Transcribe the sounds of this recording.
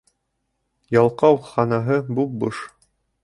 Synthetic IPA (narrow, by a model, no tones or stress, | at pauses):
jɑlˠqɑwχɑnɑɦɤbubɤʃ